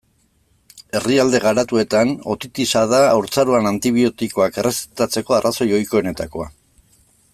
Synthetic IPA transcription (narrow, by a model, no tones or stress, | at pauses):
e̞riald̪e̞ɣ̞aɾat̪ue̞t̪ano̞̰t̪it̪isaðaːwɾt͡saɾoanant̪iβ̞io̞t̪iko̞ake̞resi̥t̪at͡se̞ko̞arʔaso̞jo̞jkoene̞t̪ako̞a̰